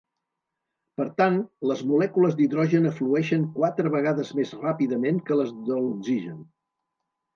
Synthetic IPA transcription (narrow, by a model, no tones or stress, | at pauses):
pəɾt̪anləzmulɛkuləzd̪iðɾɔʒənəfluɛʃəŋkwat̪ɾəβəɣaðəzmezrapiðəmeŋkələzðəluɡziʒən